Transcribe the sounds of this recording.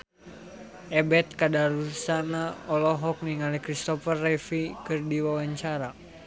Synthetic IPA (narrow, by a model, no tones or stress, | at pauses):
ɛbɛt̪̚kadaɾursanaɔlɔɦɔk̚niŋalikɾist̪ɔfərːɛfikɨrdiwawaɲt͡ʃaɾa